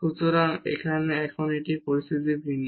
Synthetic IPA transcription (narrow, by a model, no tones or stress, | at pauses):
kut̪oɾanḛkʰaneɛkʰɔneʈipoɾisit̪ibʱinː